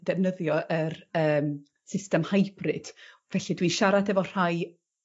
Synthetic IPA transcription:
d̥ɛvnəðjɔʔəɾəːm | sɪstɛmhajb̥rɨd̥ | vɛɬidwiʃaɾadɛvɔr̥aj

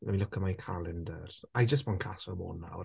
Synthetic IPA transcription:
mɛmilʊkʰəmajkʰalˠɪndərajd͡ʒəs̬b̥ɔnkʰasɔmo̰ːnːa̰w

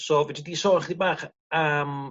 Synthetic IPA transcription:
soːvɛdidiːsɔːχdibaːχ | am

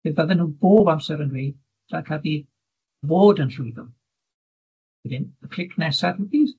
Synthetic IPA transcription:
beðaðɛnhuːboːbamsɛɾənweːd | d̥akʰavi | voːdənɬʊjðɔm | ɛðɪnəkʰl̥ɪkʰnɛsadpiːs

